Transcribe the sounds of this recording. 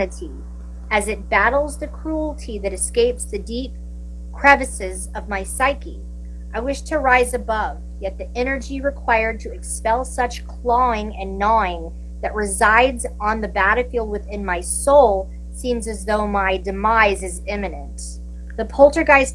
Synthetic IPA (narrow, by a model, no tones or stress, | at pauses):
ɨɾi | ɨzɨt̚b̥æɾl̩ˠzðɨkʰɹ̥ul̩ˠtʰiðɨɾɨskeɪpsðɨdip̚ | kʰɹ̥ɛvɨsɪzʌvmaɪsaɪki | ʔaɪwɪʃtʰɨɹaɪzɨbʌv | jɛt̪̚ðiʔɛnə˞d͡ʒiɹɨkʰw̥aɪə˞d̚tʰɨɨkspɛlˠsʌt͡ʃkʰl̥ɔɪ̃ŋɨ̃nːɔɪ̃ŋ | ðɨʔ̚ɹɨzaɪdzn̩ðɨbæɾɨfilˠd̚wɨθɪ̃nmaɪsoʊlˠ | sĩmzɨzðoʊmaɪdɨmaɪzɨzɪ̃mɨnɨ̃nt̪ | ðɨpʰolˠtə˞ɡaɪz̥